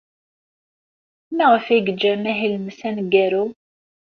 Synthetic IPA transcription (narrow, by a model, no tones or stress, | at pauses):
mæʁəfæɡəd͡ʒːæmæɦilmsænɡæɾu